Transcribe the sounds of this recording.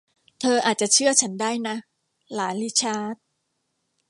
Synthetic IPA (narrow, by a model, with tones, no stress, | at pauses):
t̪ʰɤː˧ʔaː˨˩t̪̚t͡ɕa˨˩t͡ɕʰɯ˥˩ɐt͡ɕʰa˦˥ndaː˥˩jna˦˥ | laː˩˦li˦˥t͡ɕʰaː˦˥t̪̚